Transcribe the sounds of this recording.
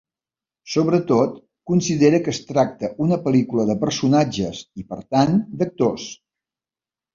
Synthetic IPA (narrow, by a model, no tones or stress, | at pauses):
soβɾət̪ot̪ | kunsiðeɾəkəːst̪ɾak̚t̪əʔunəpəlikuləðəpəɾsunad͡ʒəsipəɾt̪and̪ək̚t̪os